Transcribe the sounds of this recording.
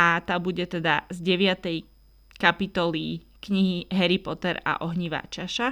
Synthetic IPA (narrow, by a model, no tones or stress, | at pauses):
at̪aːbuɟɛt̪ɛd̪azɟɛʋɪat̪ɛj | kapit̪ɔli | kɲiɦiɦɛɾipɔt̪ɛɾa̰ʔɔɦɲiʋa̰t͡ʃaʃa